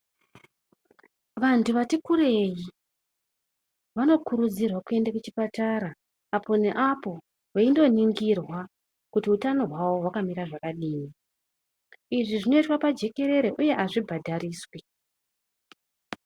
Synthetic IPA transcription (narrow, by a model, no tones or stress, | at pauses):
ʋantʰuʋatikure̞ji | ʋano̞kuɾud͡zirwakue̞ndakut͡ʃi̥pataɾaː | po̞ne̞ʔapo̞ | waindo̞niŋɡirwa | kutiutano̞ɦwawo̞wakamiɾaʐakaɗiːni | iʐiʐino̞itwapad͡ʒe̞ke̞ɾe̞ɾe̞ʔuje̞ʔaʐibʱadʱariːswe